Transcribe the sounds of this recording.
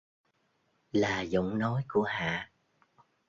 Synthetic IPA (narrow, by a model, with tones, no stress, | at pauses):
laː˨˩zʊ̰˧˥ŋ͡mnɔ˨˦jku˧˩əɦa̰ː˧˨